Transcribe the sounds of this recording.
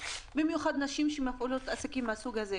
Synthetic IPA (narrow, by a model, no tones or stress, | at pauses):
bimjuχad̪naʃimʃemafʔolo̞t̪asakimːeasuɡhaze